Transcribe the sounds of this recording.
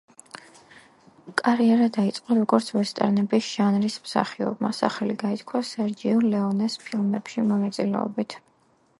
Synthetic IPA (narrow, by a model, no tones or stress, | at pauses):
kʼaɾiɛɾad̪ait̪sʼqʼɔɾɔɡɔɾt̪sʰvɛst̪ʼɛ̰ɾnɛbisʒ̥anɾismsa̰χiɔ̰bma̰sa̰χɛliɡait̪ʰkʰwasɛɾd͡ʒiɔlɛɔnɛspʰilˠmɛpʃimɔnat̪sʼilɛ̰ɔ̰bit̪ʰ